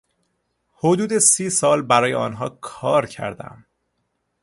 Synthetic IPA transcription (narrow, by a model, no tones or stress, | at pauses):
hod̪uːd̪esiːsɒːlbæɾɒːjeɒ̰ːnɦɒːkʰɒːɾcʰæ̰ɾd̪æ̰m